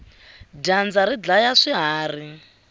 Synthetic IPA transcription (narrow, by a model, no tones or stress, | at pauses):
dand͡zaɾid͡ɮajaʂiɦaːri